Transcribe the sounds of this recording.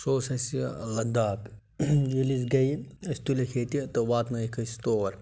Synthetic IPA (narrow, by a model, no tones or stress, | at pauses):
soːsɐsilɐd̪aːp | jilis̬ɡɐjɐsʲt̪ulʲɐkʲʰeːt̪it̪ɐʋaːt̪nɐjikʰɐsʲt̪oːɾ